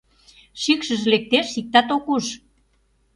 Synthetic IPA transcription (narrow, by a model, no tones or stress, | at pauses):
ʃikʃə̆ʒlek̚t̪eʃsik̚t̪ɑt̪okuʃ